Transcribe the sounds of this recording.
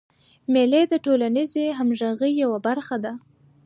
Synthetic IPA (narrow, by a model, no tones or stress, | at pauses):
meled̪əʈolanizeɦamʒaɣəjːawabaɾxad̪a